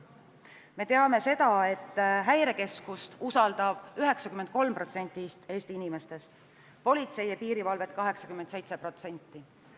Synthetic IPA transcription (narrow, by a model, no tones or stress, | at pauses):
me̞t̪e̞ɑme̞se̞d̪̥ɑe̞t̪ːɦæjɾe̞ke̞skust̪usɑld̪̥ɑb̥yɦe̞ksɑkymːent̪̚ko̞lmpro̞t̪se̞nʲt̪ːˑist̪e̞ːst̪iinime̞st̪e̞st̪ | po̞lʲit̪se̞jɑpiːɾivɑlve̞t̪̚ːkɑɦe̞ksɑkymːent̪se̞jt̪se̞pro̞t̪se̞nʲt̪ːˑi